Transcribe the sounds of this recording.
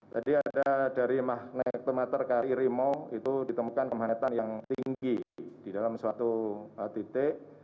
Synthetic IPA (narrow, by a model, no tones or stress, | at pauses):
t̪adiadadaɾimahnɛk̚t̪umat̪ərkaɾiɾimoit̪udit̪əmukankəmat̪anjaŋt̪iŋɡid̥idalamswat̪uət̪it̪eʔ